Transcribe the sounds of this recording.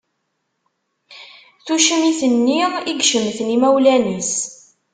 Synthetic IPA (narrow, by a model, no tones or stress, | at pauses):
θuʃəmiθənːiiɡʃəmθnimæwlænəs